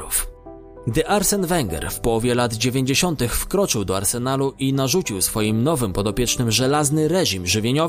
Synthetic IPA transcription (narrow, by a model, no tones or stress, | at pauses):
uf | ɡd̪ɘʔaɾsɛnvɛŋɡɛ̰ɾfpɔwɔvʲjɛlad̪d͡ʑevʲjeɲd͡ʑeɕɔnt̪ɘxfkɾɔt͡ʂɘwd̪ɔaɾsɛnaluʔinaʐut͡ɕiwsfɔjimnɔvɘmpɔd̪ɔpʲjɛt͡ʂnɘmʐɛlaznɘɾɛʑimʐɘvʲjeɲɔ